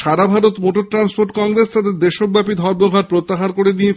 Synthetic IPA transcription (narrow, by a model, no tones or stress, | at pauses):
ʃaɾabʱaɾot̪moʈoɾʈɾanspoɾʈkɔŋɾest̪ad̪eɾd̪eʃobːæpid̪ʱɔɾmoɡʱaɾ̚pɾot̪ːaɦaɾkoɾenije